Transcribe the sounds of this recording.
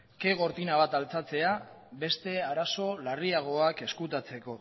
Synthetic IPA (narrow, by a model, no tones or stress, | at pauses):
ke̞ɣ̞o̞ɾt̪inaβ̞at̪alt͡sat͡se̞a | be̞st̪e̞aɾaso̞lariaɣ̞o̞ake̞skut̪at͡se̞ko̞